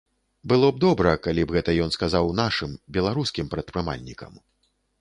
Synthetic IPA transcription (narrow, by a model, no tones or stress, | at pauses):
bɨlˠɔb̚d̪ɔbɾɐkalʲibɣɛt̪ɐjɔnskazawnaʂɨmbʲɛlˠaɾuskʲimpɾɐt̪̚pɾɨma̰lʲnʲikɐ̰m